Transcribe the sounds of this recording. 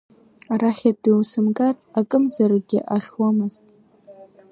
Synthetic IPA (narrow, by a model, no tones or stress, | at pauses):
aɾaχʲadiwsɨmkʼarakʼɨmzarɡʲɪ̰ʔaχʲwamɨztʼ